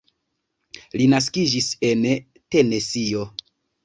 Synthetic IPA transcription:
linas̬kid͡ʒise̞n | te̞ne̞sio̞

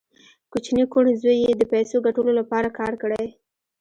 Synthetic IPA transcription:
kut͡ʃnikoɽzojed̪əpajsoɡaʈəlolapɑɾakɑɾkəɽaj

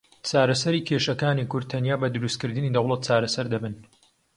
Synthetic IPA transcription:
t͡ʃaːɾɐsɐɾiːkʰeːʃɐkaːnikʊɾd̪̚t̪ʰɐnjaːbɐd̪ɨɾust̪̚kɨɾd̪ɨniːd̪ɐwlˠɐt̪̚t͡ʃaːɾɐsɐɾd̪ɐbɨn

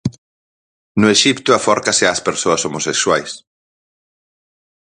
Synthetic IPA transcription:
nʊeʃipt̪ʊafɔɾkaseaspeɾsoasomosekswajs

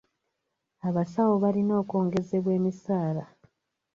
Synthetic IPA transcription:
aβasawo̞βalino̞ːko̞ːŋɡe̞ze̞βwe̞ːmisaːla

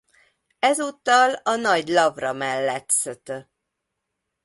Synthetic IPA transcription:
ɛzut̪ːɒlɒnɒɟlɒvrɒmɛlːɛt̪søt̪ø

